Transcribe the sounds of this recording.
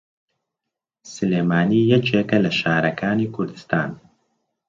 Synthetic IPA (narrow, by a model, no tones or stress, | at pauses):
sɨleːmaːniːjɐt͡ʃeːkɐlɐʃaːɾɐkʰaːniːkʰʊɾd̪ɨ̥st̪ʰa̰ːn